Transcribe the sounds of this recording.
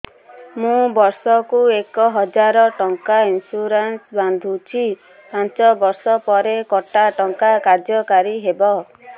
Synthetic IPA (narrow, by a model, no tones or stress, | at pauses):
mũbɔɾsɔkuekɔɦɔd͡ʒaɾɔʈɔŋkainsuɾansband̪ʱut͡ʃʰi | pãnt͡ʃɔbɔɾsɔpɔɾekɔʈaʈɔŋkakaɾd͡ʒjɔkaɾiɦebɔ